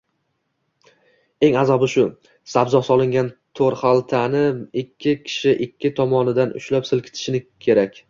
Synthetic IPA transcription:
e̞ŋazɒbɪʃʊ | sabzɒsɒlˠɪŋɡʲant̪ʰoɾχalˠt̪ʰanɪɪkʲʰːɪkʲʰɪ̥ʃɪʔɪkʲʰːɪt̪ʰɒmɒnɪd̪anʊ̰ʃlapsɪlˠkʲʰɪ̥t̪ʰɪ̥ʃɪnɪkʲʰe̞ɾakʲ

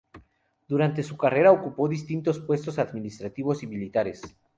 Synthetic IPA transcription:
d̪uɾant̪̬e̞sukare̞ɾaokupo̞ðist̪int̪o̞spwe̞st̪o̞saðminist̪ɾat̪iβo̞similit̪aɾes

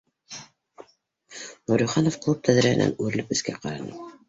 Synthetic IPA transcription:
nuɾuχɑnofklˠup̚t̪ʰæðɾæhɘ̰̆næ̰nʉɾɘlɘp̚ɘ̆skæqɑɾɑnɤ

